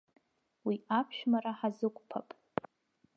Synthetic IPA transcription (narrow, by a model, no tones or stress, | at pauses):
wiapʰʃᶣmaɾaħazɨkʷʼpʰapʼ